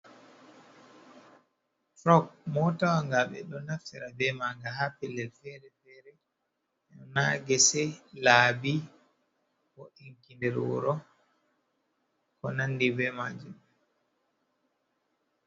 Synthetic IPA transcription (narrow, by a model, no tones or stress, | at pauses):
fɾɔkmɔtawaŋɡaɓɛ̰ɗɔnaftɛɾabɛmaŋɡaɦapɛlːɛlfɛɾɛfɛɾɛ | ɛnɔnaɡɛsɛlaːbi | kɔʔiŋkindɛɾuɾɔ | kɔnandibɛmad͡ʒumɛ